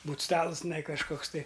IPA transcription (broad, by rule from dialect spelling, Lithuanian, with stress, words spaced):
ˈbuːt ˈstɑːlˠʊs tʲɪˈnɐɪ kɐʃˈkoːks tɐɪ